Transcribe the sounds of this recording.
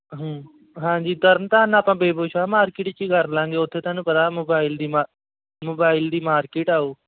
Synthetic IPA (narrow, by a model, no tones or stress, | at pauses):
ɦː | ɦãːɲd͡ʒiːd̪əɾənt̪aːnaːpãːbeːboːt͡ʃʰaːmaːɾkɪːʈt͡ʃiːɡəɾlãːŋɡeːʊt̪ʰːeːt̪aːnũːpəɾaːmoːbaːɪld̪iːmː | moːbaːɪld̪iːmaːɾkɪːʈaːoː